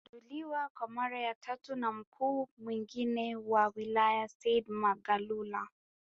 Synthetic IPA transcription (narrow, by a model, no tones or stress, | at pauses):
ɗuliwakwamaɾajatʰatunam̩kʰuːmwiŋɡinɛwawilajasɛdmaɡalula